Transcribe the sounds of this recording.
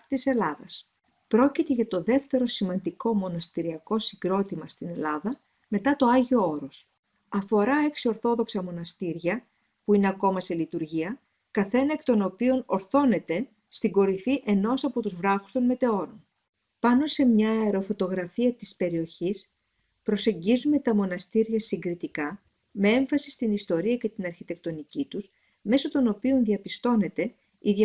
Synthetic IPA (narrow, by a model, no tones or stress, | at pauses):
t̪ise̞lɐðɐs | pɾo̞cit̪e̞ʝɐt̪o̞ðe̞ft̪e̞ɾo̞simɐnd̪iko̞mo̞nɐst̪iɾiɐko̞siɡɾo̞t̪imɐst̪ine̞lɐðɐ | me̞t̪ɐt̪o̞ɐʝio̞oɾo̞s | ɐfo̞ɾɐeksio̞ɾθo̞ðo̞ksɐmo̞nɐst̪iɾʝɐ | puine̞ɐko̞mɐselit̪uɾʝiɐ | kɐθe̞nɐekt̪o̞no̞pio̞no̞ɾθo̞ne̞t̪e̞ | st̪iŋɡo̞ɾifiʔe̞no̞sɐpo̞t̪uzvɾɐfu̥st̪o̞nme̞t̪e̞o̞ɾon | pɐno̞se̞mɲɐeɾo̞fo̞t̪o̞ɣɾɐfiɐt̪ispe̞ɾio̞çis | pɾo̞se̞ɲɟizume̞t̪ɐmo̞nɐst̪iɾʝɐsiŋɡɾit̪ikɐ | me̞e̞ɱfɐsi̥st̪inist̪o̞ɾiɐce̞t̪inɐɾçit̪e̞k̚t̪o̞nicit̪us | me̞sot̪o̞no̞pio̞nðiɐpist̪o̞ne̞t̪e̞ | iðɐ